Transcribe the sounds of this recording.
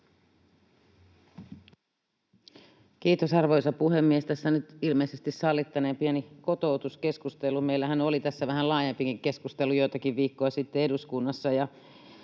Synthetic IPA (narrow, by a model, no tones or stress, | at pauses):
kiːt̪osɑrʋojsɑpuhe̞mːiest̪æsːænyt̪ilmeisest̪issɑlːit̪ːɑnempieniko̞t̪o̞ut̪uske̞skust̪elumeilːæɦænolit̪æsːæʋæɦælɑːjempikiŋke̞skust̪elujojt̪ɑkiʋʋiːkːojɑsit̪ːeeduskunːɑsːɑjɑ